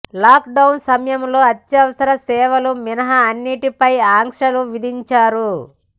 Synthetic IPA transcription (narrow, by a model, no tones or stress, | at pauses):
laːkɖɐwnsɐmɐjɐmlo̞ːɐt̪ːjɐʋɐsɐɾɐsɛːʋɐluminɐɦɐːnːiʈipɐjaːŋkʂɐluʋid̪ʱiɲt͡ʃaːɾu